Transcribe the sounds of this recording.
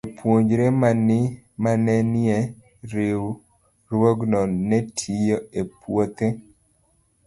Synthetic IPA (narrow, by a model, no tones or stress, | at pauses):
epwoɲd͡ʒɾemanɪ | manɛnɛ | ɾew | ɾwoɡnɔnɛtʰijoepwot̪e